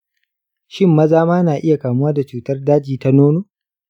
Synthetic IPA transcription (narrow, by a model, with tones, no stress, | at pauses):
ʃɪ˦mːɐ˦zaː˦maː˦naː˨ʔɪ˦ja˨kaː˨mʊ˦waː˦da˨t͡ʃuː˨tɐ˦rdaː˦d͡ʒiː˨ta˦noː˦noː˦